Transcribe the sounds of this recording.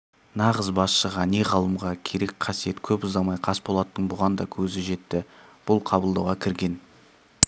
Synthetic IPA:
nɑʁəzbɑsʃəʁɑne̞ʁɑlˠəmʁɑkʲʰe̞ɾe̞kqʰɑsije̞t̪kʲʰɵpʊzd̪ɑmɑjqʰɑspolˠɑt̪ːəɴbʊʁɑnd̪ɑkʲʰɵzɪʒe̞t̪ːɪb̥ʊlˠqʰɑbəlˠd̪ɑwʁɑkʲʰɪɾɡʲe̞n

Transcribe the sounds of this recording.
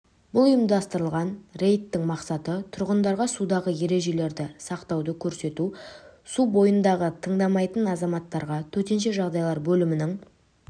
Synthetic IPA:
b̥ʊlˠʊjəmd̪ɑst̪əɾəlˠʁɑnre̞jt̪ːɪŋmɑqsɑt̪ət̪ʰʊɾʁənd̪ɑɾʁɑsud̪ɑʁəje̞ɾe̞ʒe̞le̞ɾd̪ɪsɑqt̪ɑwd̪əkʲʰɵɾse̞t̪usubo̞jənd̪ɑʁət̪ʰəɴd̪ɑmɑjt̪ənɑzɑmɑt̪ːɑɾʁɑt̪ʰɵt̪e̞nʃe̞ʒɑʁd̪ɑjlˠɑɾbɵlɪmɪnɪŋ

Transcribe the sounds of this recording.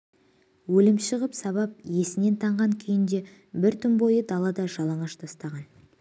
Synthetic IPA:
wɵlɪmʃəʁəpsɑβɑp̚je̞sɪne̞nt̪ʰɑɴʁɑŋkʲʰejɪnd̪e̞ | bɪɾt̪ʰʏmbo̞jəd̪ɑlˠɑd̪ɑʒɑlˠɑɴɑʃt̪ʰɑst̪ɑʁɑn

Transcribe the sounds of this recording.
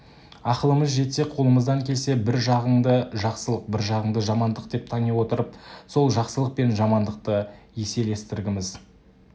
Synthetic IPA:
ɑqəlˠəməzʒe̞t̪se̞qʰo̞lˠəməzd̪ɑŋkʲʰe̞lse̞bɪɾʒɑʁəɴd̪əʒɑqsəlˠəq̚bɪɾʒɑʁəɴd̪əʒɑmɑnd̪əqd̪e̞p̚t̪ʰɑnewo̞t̪əɾəp̚so̞lˠʒɑqsəlˠəq̚pe̞nʒɑmɑnd̪əq̚t̪ə | je̞se̞le̞st̪ɪɾɡʲɪmɪz

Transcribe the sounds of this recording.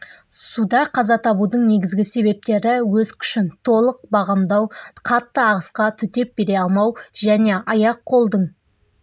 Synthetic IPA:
sud̪ɑqʰɑzɑt̪ʰɑbud̪əɴne̞ɡʲɪzɡʲɪse̞βe̞p̚t̪e̞ɾɪwɵzkʲʰʏ̥ʃɪnt̪ʰo̞lˠəq̚bɑʁɑmd̪ɑwqʰɑt̪ːəɑʁəsqɑt̪ʰʏt̪e̞p̚b̥e̞ɾe̞ɑlˠmɑwʒæne̞ʔɑjɑqʰːo̞lˠd̪əɴ

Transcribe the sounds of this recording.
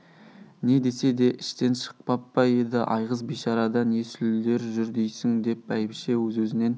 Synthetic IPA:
ne̞d̪e̞se̞d̪e̞ʔɪʃt̪e̞nʃə̥q̚pɑpːɑjed̪ɪʔɑjʁəzbiʃɑɾɑd̪ɑne̞sɪld̪e̞ɾʒʏɾd̪ejsɪŋd̪e̞pæjɪpʃe̞wɵzwɵzɪne̞n

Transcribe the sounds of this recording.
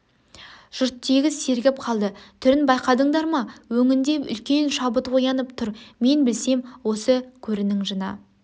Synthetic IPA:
ʒ̥ʊɾt̪ːʰeɡʲɪzse̞ɾɡʲɪp̚qʰɑlˠd̪ət̪ʰʏɾɪnbɑjqɑd̪əɴd̪ɑɾmɑwɵŋɪnd̪e̞ʏ̰lkʲe̞nʃɑbət̪wo̞jɑnəpt̪ʰʊɾme̞nbɪlse̞mwo̞səkʲʰɵɾɪnɪŋʒənɑ̰

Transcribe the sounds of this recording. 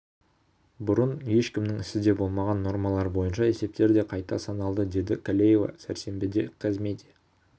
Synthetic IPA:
bʊɾənje̞ʃkʲɪmnɪŋɪsɪd̪e̞bo̞lˠmɑʁɑnːo̞ɾmɑlˠɑɾbo̞jənʃɑe̞se̞p̚t̪e̞ɾd̪e̞qʰɑjt̪ɑsɑnɑlˠd̪əd̪e̞d̪ɪkʰolʲejeva̰sæɾse̞mbɪd̪e̞qʰɑzme̞d̪e

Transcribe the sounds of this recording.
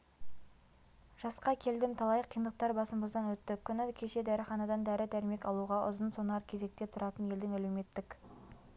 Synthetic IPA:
ʒ̥ɑsqɑkʲʰe̞ld̪ɪmt̪ʰɑlˠɑjəqʰːijənd̪əq̚t̪ɑɾbɑsəmbəzd̪ɑnwɵt̪ːɪkʲʰːʏnɪkʲʰe̞ʃe̞d̪æɾɪχɑnɑd̪ɑnd̪æɾɪd̪æɾɪme̞kɑlˠuʁɑʔʊ̰zənso̞nɑɾkʲʰeze̞k̚t̪e̞t̪ʰʊɾɑt̪ənje̞ld̪ɪŋælewme̞t̪ːɪk

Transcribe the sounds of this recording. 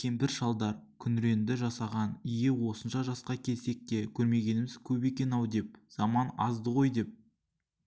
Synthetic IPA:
kʲʰe̞mpɪɾʃɑlˠd̪ɑɾkʲʰʏnɾe̞nd̪ɪʒɑsɑʁɑnijɪwo̞sənʃɑʒɑsqɑkʲʰe̞lse̞k̚t̪e̞kʲʰɵɾme̞ɡʲe̞nɪmɪz̥kʲʰɵpe̞kʲe̞nɑwd̪e̞p̚z̥ɑmɑnɑzd̪əʁo̞jd̪e̞p̚

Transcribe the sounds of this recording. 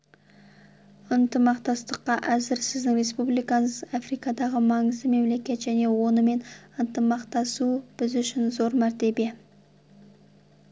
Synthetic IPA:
ənt̪əmɑqt̪ɑst̪əqːɑʔæzɪɾsɪzd̪ɪŋre̞spublˠijkɑɴəzɑfrijkɑd̪ɑʁəmɑɴəzd̪əme̞mle̞kʲe̞t̪ʒæne̞wo̞nəme̞nənt̪əmɑqt̪ɑsub̥ɪzʏʃɪnzo̞ɾmæɾt̪e̞bie

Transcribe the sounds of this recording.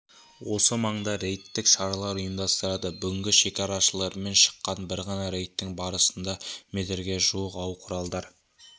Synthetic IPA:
wo̞səmɑɴd̪ɑɾe̞jt̪ːɪkʃɑɾɑlˠɑɾʊjəmd̪ɑst̪əɾɑd̪əbʏɡʲɪŋɡʲɪʃe̞kʲɑɾɑʃəlˠɑɾme̞nʃə̥qːɑnbɪɾʁɑnɑɾe̞jt̪ːɪŋbɑɾəsənd̪ɑmet̪ɪɾɡʲe̞ʒuwəqɑwqʰʊɾɑlˠd̪ɑɾ

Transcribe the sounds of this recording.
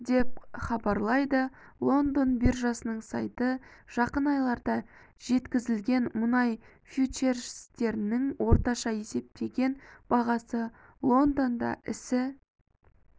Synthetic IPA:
d̪e̞p̚χɑbɑɾlˠɑjd̪əlˠo̞nd̪o̞nbirʒɑsənəɴsɑ̰jt̪əʒ̥ɑqənɑjlˠɑɾd̪ɑ | ʒ̥e̞t̪kʲɪzɪlɡʲe̞nmʊnɑj | fjut͡ʃerʃst̪e̞ɾɪnɪŋwo̞ɾt̪ɑʃɑe̞se̞p̚t̪e̞ɡʲe̞nb̥ɑʁɑsə | lˠo̞nd̪o̞nd̪ɑ̰ʔɪsɪ

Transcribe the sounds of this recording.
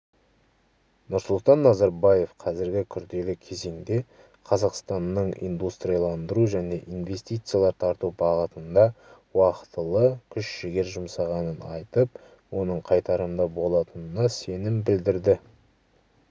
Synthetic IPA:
nʊɾsʊlˠt̪ɑnːɑzɑɾbɑje̞fqʰɑzɪɾɡʲɪkʲʰʏɾd̪e̞lɪkʲʰe̞ze̞ŋd̪e̞ | qʰɑzɑqst̪ɑnːəɴḭnd̪ust̪ɾijalˠɑnd̪əɾuʒæne̞ʔinve̞st̪ijt̪sɨjalˠɑɾt̪ʰɑɾt̪ubɑʁət̪ənd̪ɑ | wɑqə̥t̪əlˠəkʲʰʏʃʃɪɡʲe̞ɾʒʊmsɑʁɑnənɑjt̪əp̚ | wo̞nəɴqʰɑjt̪ɑɾənd̪ɑbo̞lˠɑt̪ənənɑse̞nɪmbɪld̪ɪɾd̪ɪ

